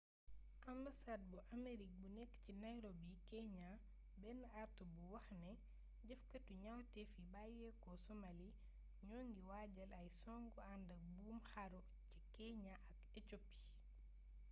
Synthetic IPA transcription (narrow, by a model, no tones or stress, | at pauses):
ʔambasaːd̚buʔameɾik̚bunɛkːcinajɾobikɛɲa | bɛnaɾtubuwɐxnɛ | ɟɐfkɐtuɲawtɛfibajɛkɔsɔmali | ɲɔŋɡiwaːɟɐlɐjsɔŋɡɔandɐbuːmxaɾo | cikɛɲaʔɐk̚ɛt͡ʃopːi̥